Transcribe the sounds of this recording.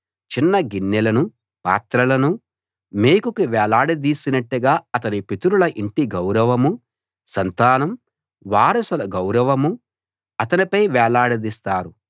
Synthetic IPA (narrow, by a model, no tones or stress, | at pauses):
t͡ʃinːɐɡinːɛlɐnu | pa̰ːt̪ɾɐlɐnu | meːkukuʋɛːlaːɽɐd̪iːsinɐʈːuɡaːɐt̪ɐnipit̪uɾulɐʔiɳʈiɡɐwɾɐʋɐmu | sɐnt̪aːnɐm | ʋaːɾɐsulɐɡɐwɾɐʋɐmu | ɐt̪ɐnipɐjʋɛːlaːɽɐd̪ist̪aːɾu